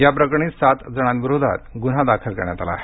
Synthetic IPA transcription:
japɾəkɳ̃iːsat̪d͡zəɽ̃ãnʋiɾod̪ʱa̰t̪ɡunɦad̪akʰəlkəɾɳja̰t̪a̰la̰ːɦe

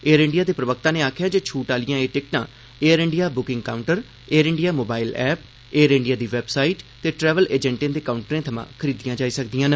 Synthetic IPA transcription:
eːəɾɪ̃ɳɖɪjaːd̪eːpɾəʋəkt̪ãːnẽːaːkʰɪjaːd͡ʒoːt͡ʃʰuːʈaːlɪjãːeːʈɪk̚ʈã̰ː | eːəɾɪ̃ɳɖijaːbʊkɪ̃ŋɡkaːʊɳʈəɾ | eːəɾɪ̃ɳɖɪjaːmoːbaːɪlɛːp̚ | eːɾɪ̃ɳɖɪjaːd̪iːʋɛːbsaːiːʈt̪eːʈɾɛːʋəleːd͡ʒɛ̃ɳʈẽːd̪eːkaːʊɳʈɾẽːt̪ʰəmã̰ːkʰəɾiːd̪ɪjãːd͡ʒaːiːsəkd̪ijãːn

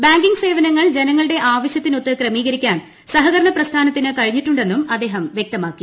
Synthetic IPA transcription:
baːŋɡiŋɡse̞ːʋɐnɐŋːɐɭd͡ʑe̞nɐŋːɐɭɨɽe̞ʔaːʋɐɕjɐt̪ːino̞t̪ːɨkrɐmiːɣɐɾikʲːaːn | sɐɦɐɣɐɾɐɳɐprɐst̪ʰaːnɐt̪ːinɨkɐɻiɲːiʈːuɳɖe̞nːumɐd̪ːe̞ːɦɐmʋjek̚t̪ɐmaːkːi

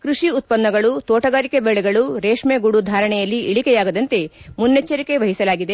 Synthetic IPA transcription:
kɾuʂiut̪̚pɐnːɐɡɐɭut̪oːʈɐɡaːɾikebɛɭɛɡɐɭuɾeːʂmeɡuɽud̪ʱaːɾɐɳɛjɐlːiʔiɭikɛjaːɡɐd̪ɐnt̪e̞munːet͡ʃːɐɾike̞ʋɐɦisɐlaːɡid̪e

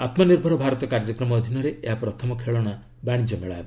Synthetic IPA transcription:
at̪mɔniɾbʱɔɾɔbʱaɾɔt̪ɔkaɾd͡ʒɔkɾɔmɔd̪ʱinɔɾeʔeɦapɾɔt̪ʰɔmɔkʰeɭɔɽ̃a | baɽ̃id͡ʒɔmeɭa̰ebɔ

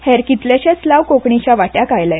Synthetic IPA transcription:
hɛɾkit̪ljaɕat͡slaʋkokɳit͡ɕaʋaʈjakajlaj

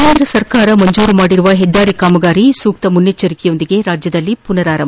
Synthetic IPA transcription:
eːnd̪ɾɐsɐɾkaːɾɐmɐɲd͡ʒuːɾɯmaːɽɪɾɯʋaːɦɛd̪ːaːɾikaːmɐɣaːɾisuːk̚t̪ɐmʊnːet͡ʃːɐɾikːijond̪ɪɡeːɾaːd͡ʒjɐðɐlːipʊnɐɾaːɾɐmɐ

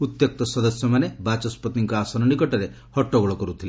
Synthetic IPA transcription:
ut̪jɔk̚t̪ɔsɔd̪ɔsjɔmanebat͡ʃɔspɔt̪iŋkɔasɔnɔnikɔʈɔɾe | hɔʈːɔɡɔɭɔkɔɾut̪ʰili

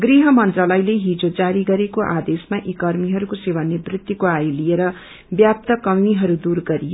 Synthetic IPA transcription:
ɡriɦʌmʌnt̪rʌlʌjleɦid͡zod͡zaɾiɡʌɾekoʔad̪esmaʔikʌrmiɦʌɾukosewʌnːebrit̪jukoajlijeɾʌ | bjap̚t̪ʌkʌmiɦʌɾud̪urɡʌɾijo

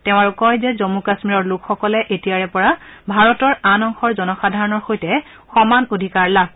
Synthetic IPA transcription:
tɛʊ̃aɹukɔjzɛzɔmukasmiɹɔɹlʊkxɔkɔlɛʔetijaɹɛpɔɹabʱaɹɔtɔɹanɔŋxɔɹzɔnɔxadʱaɹɔnɔɹxojtɛ | xɔmanodʱikaɹla

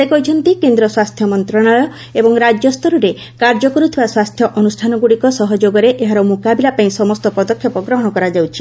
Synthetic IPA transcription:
d̪ekɔjt͡ʃʰɔnt̪ikend̪ɾɔswast̪ʰjɔmɔnt̪ɾɔɽ̃ɔjɔ | ebɔŋɾad͡ʒjɔst̪ɔɾuɾe | kaɾd͡ʒɔkɔɾut̪ʰibaswast̪ʰjɔʔɔnusʈʰanɔɡuɽikɔsɔɦɔd͡ʒoɡɔɾeʔeɦaɾɔmukabilapaĩsɔmɔst̪ɔpɔd̪ɔkʰːjɔpɔɡɾɔɦɔɽ̃ɔkɔɾad͡ʒawt͡ʃʰi

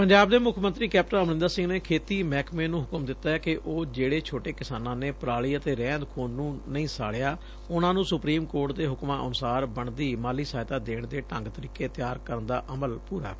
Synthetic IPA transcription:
pəɲd͡ʒaːb̚d̪eːmʊkʰmənt̪ɾiːkɛːp̚ʈənəmnɪ̃nd̪aːsɪ̃ŋɡneːkʰeːt̪iːmɛːkmeːnũːɦʊkəmd̪ɪt̪ːaːɛːkɪʔoːd͡ʒeːɽeːt͡ʃʰoːʈeːkɪsaːnãːneːpɾaːɭiːət̪eːɾɛ̃ːnd̪kʰoːnnũːnəĩːsa̰ːɽejaː | ʊnãːnũːsʊpɾiːmkoːɾʈd̪eːɦʊkmãːʔə̰nʊsaːɾbəɳd̪iːmaːliːsaːjt̪aːd̪eːɳd̪eːʈəŋɡt̪əɾiːkeːt̪ɪjaːɾkəɾənd̪a̰ːʔəməlpuːɾa̰ː

